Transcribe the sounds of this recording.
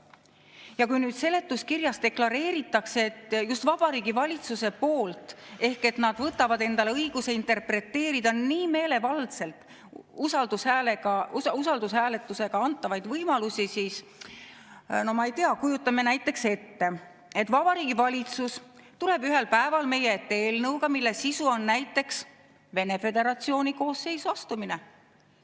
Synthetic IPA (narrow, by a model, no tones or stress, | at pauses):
jɑkujnyːd̪̥se̞le̞t̪ːˑuskirjɑst̪e̞klɑɾe̞ːɾit̪ːˑɑkset̪ːjust̪vɑb̥ɑɾiːɡivɑlʲit̪suse̞po̞ːlt̪ˑe̞hke̞t̪nɑd̪̥vɤt̪ːˑɑvɑd̪e̞nd̪̥ɑle̞ɤjɡ̥use̞int̪e̞rpre̞t̪ːe̞ːɾid̪̥ɑniːme̞ːle̞vɑld̪se̞lt̪ˑ | usɑld̪ushæleɡɑusɑld̪̥ushæːle̞t̪ːˑuse̞ɡ̥ɑɑnt̪ːˑɑvɑjd̪vɤjmɑlusʲisiːs | no̞mɑejt̪eɑkujut̪ːˑɑme̞næjt̪ːˑe̞kse̞t̪ːe̞ | e̞t̪ːˑvɑbɑɾiːɡivɑlʲit̪sust̪ule̞b̥yɦe̞lpæe̞vɑlme̞jeet̪ːeeːlnɤwɡ̥ɑmilːe̞sisuo̞nːæjt̪ːˑe̞ks | ve̞ne̞fe̞d̪e̞ɾɑt̪sio̞ːniko̞ːsːe̞jsuɑst̪umine